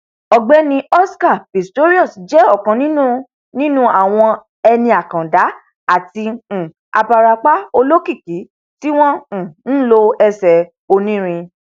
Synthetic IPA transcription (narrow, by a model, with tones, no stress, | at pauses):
ɔ˨ɡ͡bɛ˦nĩ˧ɔ˦ska˦˨pi˨sto˦ɾi˦ɔ˦˨sd͡ʒɛ˨˦ɔ˦˨kã˨˧nĩ˦nũ˦ | nĩ˦nũ˦a˨w̃ɔ̃˧ | ɛ˧nĩ˧a˨kã˨da˨˦ | a˦˨tĩ˧˨ | a̰˧ba˧ɾa˧k͡pa˦o˧lo˦ki˦˨ki˨˦ | ti˦w̃ɔ̃˦˨n̩˦lo˧ɛ˧˨sɛ˨˧ | o˧nĩ˦ɾ̃ĩ˧